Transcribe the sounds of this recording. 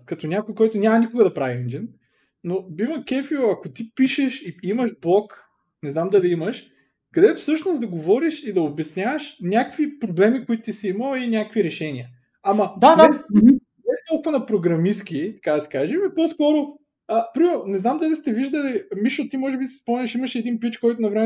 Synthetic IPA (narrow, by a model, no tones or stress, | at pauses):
kɐt̪onʲakʊjkɔjt̪ʊnʲamɐnikʊɡəd̪ɐpɾaviɛnd͡ʒin | nobimɐkɛfioɐkot̪ipiʃeʃiimɐʒblˠɔk | nɛznamd̪ɐliiməʃ | kɐd̪ɛt̪ʊ̥fsɤʃnosd̪ɐɡovɔɾiʃid̪ɐobɛsnʲavəʃnʲakvipɾoblɛmikoʊit̪ʊ̥t̪isiiməlˠinʲakkviɾɛʃɛnʲiə | amɐd̪aɛmi | ɛst̪ɔlˠkʊvɐnɐpɾoɡɾɐmisk̟it̪ɐ̥kad̪ɐsɛ̥kaʒimiɛpɔskɔɾʊ | əpɾimɛɾʊnɛznamd̪ɐlist̪ɛviʒd̪əlimiʃot̪ːimɔʒɛbisɛ̥spɔmnʲɐʃimɐʃɛd̪inpit͡ʃkɔjt̪ʊnɐvɾɛmɛ